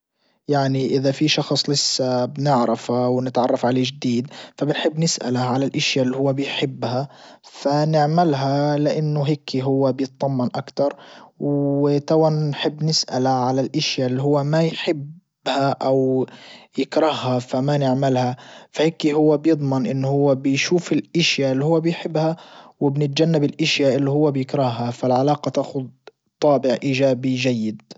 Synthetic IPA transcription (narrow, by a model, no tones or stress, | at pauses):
jaʕniʔɪðafiʃɑxsˤlɪsːabnɪʕɾɪfawnɪt̪ʕɑrˤːɑfʕaleːd͡ʒd̪iːd̪fabɪnħɪbːnɪsʔa̰laʕalalʔaʃjalːihʊwːabɪjħɪbːhafanɪʕmɪlɦalɪʔanːʊɦekʰːiɦʊwːabjɨt̪̚ˤðˤɑmːɑnʔakt̪ɑɾˤwt̪awannħɪbːnɪsʔalaʕalalʔaʃjalːiɦʊwːamajħɪb | haʔawjɪkɾɑhːafamanɪʕmɪlhafaheːkːiɦʊwːabjɨd̪ˤmɪnʔɪnːhʊwːabjʃuːfɪlʔɪʃjaʔɪlːihʊwːabɪjħɪbːhawɪbnɪt̪̚d͡ʒanːabɪlʔɪʃjaʔɪlːihʊwːabjɪkɾɑhːafalʕalɑːqɑt̪aːxʊd̪̚ | t̪ˤɑːbɪʕʔiːʒaːbiʒajːɪd̪